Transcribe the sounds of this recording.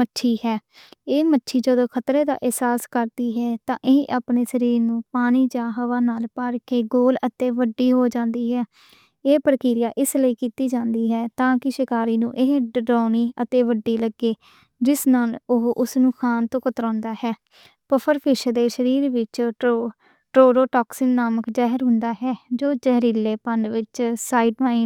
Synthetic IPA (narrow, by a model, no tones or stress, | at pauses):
mətːʃʰiːhɛː | eːmətːʃʰiːd͡ʒəd̪õːkʰət̪ɾeːd̪a̰ːʔɪɦsaːskəɾd̪iːɦɛːt̪ãːʔɪeʔaːpneːsəɾiːɾnũːpaːñiːd͡ʒaːɦəʋaːnaːlpəɾkeːɡoːlət̪eːʋəɖːiːɦoːd͡ʒãːnd̪iːɦɛː | eːpəɾəkɪːɾɪjaːʔɪsləiːkiːt̪iːd͡ʒãːnd̪iːɦɛːt̪ãːkɪʃɪkaːɾiːnũːʔɪɦɖaːniːət̪eːʋəɖːiːləɡːeː | d͡ʒɪsnaːlʊɦʔʊsnũːkʰaːnt̪õːkət̪ɾɔ̃ːnd̪aːɦɛː | pəpʰəɾpʰɪʃəd̪eːʃəɾiːɾʋɪt͡ʃ | ʈɾoːɾoːʈɔːksɪnːaːməkd͡ʒaːɦəɾɦʊ̃nd̪aːɦɛːd͡ʒoːd͡ʒəɦɾiːlːeːpəɳɖʋɪt͡ʃsaːiɖmaːi